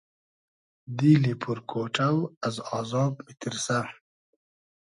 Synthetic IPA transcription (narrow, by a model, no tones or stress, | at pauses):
d̪ilipʰuɾkʰoːʈ͡ʂawazɑːzɑːbit̪iɾsa